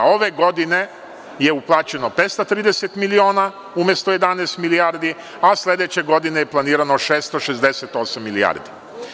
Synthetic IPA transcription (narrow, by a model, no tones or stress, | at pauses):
o̞ʋe̞ɡo̞d̪ine̞ | je̞uplˠaːt͡ɕe̞no̞pet̪st̪at̪ɾiːd̪eset̪milio̞ːna | umʲjest̪oje̞d̪aneːst̪miliaɾd̪i | aslʲe̞d̪e̞t͡ɕe̞ɡo̞d̪inejeplˠaniːɾanoʃest̪oʃezd̪eset̪o̞samːilia̰ɾd̪i